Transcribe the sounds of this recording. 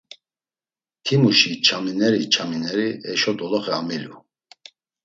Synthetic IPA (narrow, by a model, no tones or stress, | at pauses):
kʰimuʃit͡ʃʰaminɛɾit͡ʃʰaminɛɾiɛʃɔd̪ɔlɔχɛamilju